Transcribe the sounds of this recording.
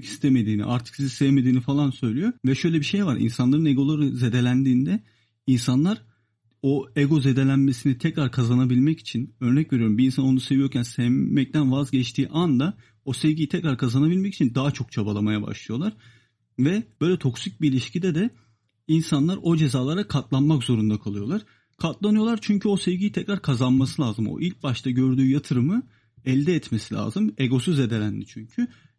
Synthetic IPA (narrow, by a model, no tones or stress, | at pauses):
kʰi̥st̪ʰeme̞d̪iːnḭʔa̰ɾt̪ʰɯ̥ksiziseveme̞d̪iːnifalˠansø̞jlʲijo̞vɛʃø̞jlʲebiʃe̞jvaɾḭnsanlˠaɾɯneɡo̞lˠaɾɯzed̪e̞lʲænd̪iːnd̪ɛ | insanlˠaɾ | o̞eɡo̞ze̞d̪e̞lʲænme̞sinit̪ʰɛcɾaɾkʰazanabilʲmɛci̥t͡ʃʰinø̞ɾnɛcve̞ɾijoɾumbiːnsano̞nuse̞vijo̞ɾcʰʲænsevmɛc̚t̪ʰænvazɟɛt͡ʃt̪ʰiːʔand̪a | o̞sevɟʲijit̪ʰɛcɾaɾkʰazanabilʲmɛcʰi̥t͡ʃʰind̪aɦat͡ʃʰo̞k̚t͡ʃʰabalˠamajaba̰ʃlˠɯjo̞lˠaɾ̥ | vɛb̥ø̞jlʲɛt̪ʰo̞ksic̚biilʲiʃcid̪ɛd̪ɛ | insanlˠaɾo̞d͡ʒe̞zaːlˠaɾakʰat̪lˠanmakzo̞ɾund̪akʰalˠɯjo̞lˠaɾ̥ | kʰat̪lˠanɯjo̞lˠaɾt͡ʃʰyɲcʰyo̞sɛvɟijit̪ʰɛcɾaɾkʰazanmasɯlʲˠaːzɯmo̰ʔilʲc̚baʃt̪ʰaɟø̞ɾd̪yːjat̪ʰɯɾɯmɯ | ɛlʲd̪ɛːt̪mesilʲa̰ːzɯme̞ɡo̞syze̞d̪e̞ɾænd̪it͡ʃʰyɲcʰy